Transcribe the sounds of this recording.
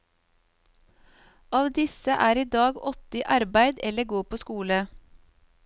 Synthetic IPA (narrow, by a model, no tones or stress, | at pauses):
ɑːʋd̪ɪsəʔæːɾiːd̪ɑːɡɔt̪ɪʔɑɾbæɪd̪ɛləɡoːpʰoːskuːlə